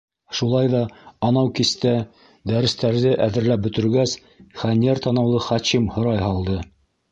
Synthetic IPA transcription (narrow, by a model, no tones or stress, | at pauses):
ʃulˠɑjðɑːnɑwkist̪æ | d̪æɾɘ̆st̪æɾðɘʔæðɘ̆ɾlæp̚bɵ̆t̪ɵ̆ɾɡæs | χænʲeɾt̪ɑnɑwlˠɤχɑɕimhŏɾɑjhɑlˠd̪ɤ